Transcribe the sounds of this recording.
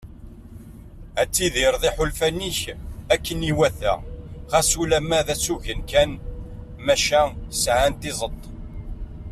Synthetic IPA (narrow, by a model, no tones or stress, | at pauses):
æt͡sːiðiɾðˤiħʊlfæniçækːəniwæθæ̰ʁæsulæmæðæt͡sːuʝənkæn | mæʃæsʕant̪izˤət̪ˤː